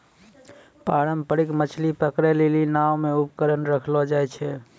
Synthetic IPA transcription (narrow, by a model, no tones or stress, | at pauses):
paɾəmpəɽikmət͡ʃʰlipəkɾɛlelinawmeupkəɾənɾəkʰlɔd͡ʒajt͡ʃʰɛ